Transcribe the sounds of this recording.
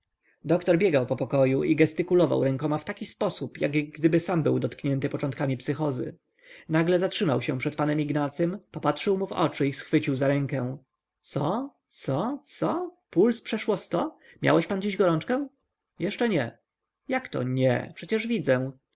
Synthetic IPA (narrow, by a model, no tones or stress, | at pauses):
d̪ɔkt̪ɔɾbʲjɛɡawpɔpɔkɔjuʔiɡɛst̪ɘkulɔva̰wɾɛŋkɔmaft̪akʲispɔsupjaɡɡd̪ɘbɘsambɘwd̪ɔt̪kɲɛnt̪ɘpɔt͡ʂɔnt̪̚kamʲipsɘxɔzɘ̰ | naɡlɛzatʂɘmawɕɛpʂɛt̪̚panɛmiɡnat̪sɛmpɔpat̪ʂɘwmuvɔ̰t͡ʂɘisxfɘt͡ɕiwzaɾɛŋkɛ̃ | t̪sɔ | t̪sɔt̪sɔpulspʂɛʂwɔst̪ɔ | mʲja̰wɛɕpand͡ʑiʑɡɔɾɔnt͡ʂkɛ̃ | jɛʂt͡ʂɛɲɛ | jakt̪ɔ̰ɲɛ̰pʂɛt͡ɕɛʐvʲid̪zɛ̃